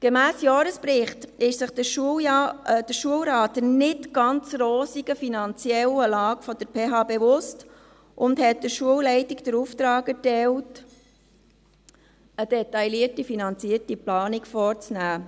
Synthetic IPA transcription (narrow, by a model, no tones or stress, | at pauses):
ɡ̥emæːsjɑːɾəspɾɪχtɪʃsɪχdəʃ | d̥əʃuəwɾɑːtənɪtɡ̥ɑnt͡sɾoːsiɡ̥əfinɑnt͡sjɛləlɑːɡ̥fɔd̥əɾpʰeːɦɑːbeʋʊst | ʔʊnthɛt̚dəʃuəwlɛɪtikd̥əɾuft̪ɾɑːkɛɾtɛlt | əd̥ɛtɑjliəɾtifinɑnt͡siəɾtiplɑːnikfɔːɾt͡snæː